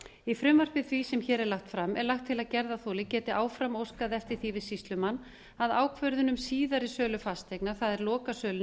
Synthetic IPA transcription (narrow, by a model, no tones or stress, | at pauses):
ifɾʏmvar̥pɪθvisɛmçɛːɾɛɾlaxt̪fɾamɛɾlaxt̪ʰːɪlaðcɛɾðaθoːlɪcɛːt̪ɪʔaːwfɾamowskaðɛft̪ɪɾ̥θivɪðsist̪lʏmanː | aðaːwkʰvœɾðʏnʏmsiːðaɾɪsœːlʏfast̪ejknḁθaðɛɾlɔːkasœːlʏ